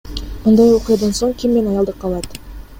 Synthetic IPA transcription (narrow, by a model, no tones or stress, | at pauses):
mʊnd̪ɑjwo̞qijɑd̪ɑnso̞ɴkʲʰimːe̞nɑjɑlˠd̪əqʰːɑlˠɑt̪